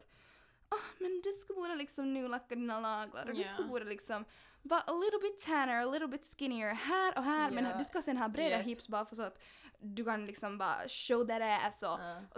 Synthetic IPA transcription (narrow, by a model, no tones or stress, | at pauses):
ɔhmɛnd̪ʉskabuːɾəlɪksɔmnʉːlakːad̪iːnalɑːɡla̰ɾɔd̪ʉskabuːɾəlɪksɔm | vɑːʔəlɪɾl̩ˠbɪt̪ʰːɛnə˞əlɪɾl̩ˠbɪt̪skɪnɪəɹhæːɾɔɦæːɾmɛnd̪ʉskasɛnɦɑːbɾeːd̪aɦɪpsbɑːɾafɔsɔat̪ | d̪ʉkʰanlɪksɔmbɑ̰ːɾa̰ʃoʊd̪ɛɾɛɛsɔ